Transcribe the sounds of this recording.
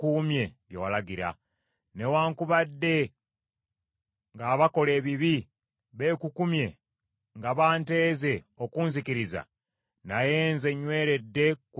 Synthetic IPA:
kuːmje̞βjewalaɡiɾa̰ | ne̞waːŋkuβadːe̞ | ŋɡaːβako̞le̞ːβiβi | βe̞ːkukumje̞ | ŋɡaβaːnte̞ːze̞ | okuːnzikiɾiza̰ | naje̞ːnze̞ɲːwe̞ːɾe̞dːe̞k

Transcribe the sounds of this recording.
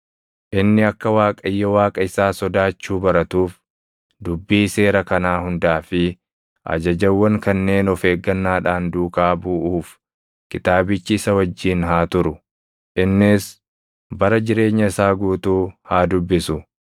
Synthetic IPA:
ʔɪnːɪɐkːɐwaːkʼɐjːɔwaːkʼɐɪsaːsɔd̪aːt͡ʃːuːbɐɾɐt̪uːf | d̪ʊbːiːse̞ːɾɐkɐnaːhʊnd̪aːfɪ | ʔɐ̰d͡ʒɐd͡ʒɐwːɐŋkɐnːe̞ːnɔfe̞ːɡːɐnːaːᶑaːnd̪uːkaːbuʔuːf | kɪt̪aːbɪt͡ʃːɪɪsɐwɐd͡ʒːiːnɦaːt̪ʊɾʊ | ʔɪnːɪs | bɐɾɐd͡ʒɪɾe̞ːɲːɐɪsaːɡuːt̪uːhaːd̪ʊbːɪsʊ

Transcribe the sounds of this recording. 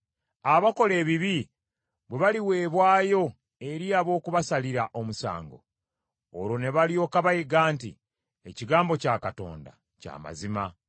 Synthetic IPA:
aβako̞le̞ːβiβi | βwe̞βaliwe̞ːβwaːjo̞ | e̞ɾiaβo̞ːkuβasaliɾaʔo̞musa̰ːŋɡo̞̰ː | ɾo̞ne̞βalio̞ːkaβajiɡaːntḭ | e̞ciɡaːmbo̞caːkato̞̰ːnda̰ | ca̰ːma̰zima

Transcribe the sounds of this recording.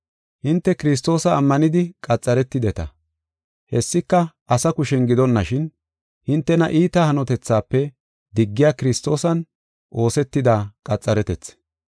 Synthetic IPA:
hɪnt̪ːɛkɪɾɪs̬t̪o̞ːsɐːmːɐnɪd̪ɪkʼɐt͡sʼːɐɾɛt̪ːɪd̪ɛt̪ɐ̰ | hɛsːɪkːɐʔɐsɐkʊʃɛnɡɪd̪ɔnːɐʃɪn | hɪnt̪ːɛnɐ̰ʔiːt̪ɐhɐnɔt̪ɛt͡sːaːpːɛ | d̪ɪɡːɪjaːkɪɾɪst̪o̞ːsɐn | ʔo̞ːsɛt̪ːɪd̪aːkʼɐt͡sʼːɐɾɛt̪ɛt͡sː

